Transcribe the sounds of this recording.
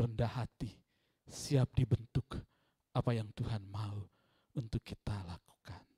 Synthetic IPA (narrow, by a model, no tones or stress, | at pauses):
rəndahat̪i | siap̚dibənt̪ʊk | apajaŋt̪uɦanmau | unt̪ʊkːit̪alaku̥kan